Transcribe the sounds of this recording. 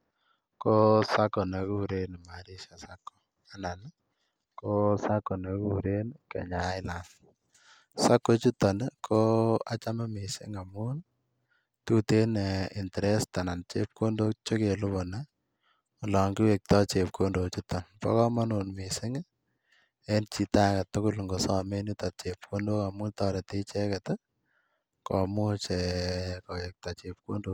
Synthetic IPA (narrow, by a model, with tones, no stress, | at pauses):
ko˦sa˦kɔ˨ne˨ku˦˨ɾe˦n˨ma˨ɾi˦ʃa˨sa˦kːɔ̥˨ | a˨na˨n˦ | ko˦sa˦kːɔ˨ne˨ku˦˨ɾe˦nkɛ̰˨ɲa˨˦ɪ˦la˨n | sa˦kːo˨t͡ʃu˦tːɔ˨nkʰo˦a̰˨t͡ʃa˦mɛ˦me˨sɪ̰˦ŋa˨mu˦n | tu˦te˦ne˨ɪ˨ntɛ˨ɾe˦sta˨na˨nt͡ʃe˦p̚ko˦ndo˦k̚t͡ʃo˦ke˨lʊ˦βɔ˨na˦ | ʊ˨lɔ˨ŋɡi˦we˨k̚tɔ˦t͡ʃe˨p̚kʰo˦ndo˨t͡ʃu˦tːɔ˨npɔ̰˦kɔ˦ma˦nu˨nmisɪ˦ŋ | e˦nt͡ʃi˨ta˦ka˨tʊ˦kʊ˦lŋɡo˨sɔ˦me˦ni˦ta˨t̚t͡ʃep̚kʰo˦ndo˦ka˨mu˦ntɔː˦ɾe˨te˦t͡ʃɛ˦kɛ˨tɔ˦ | kɔ˨mu˦t͡ʃɛ˨kɔ˨wek̚ta˨t͡ʃe˨p̚ko˦ndo˦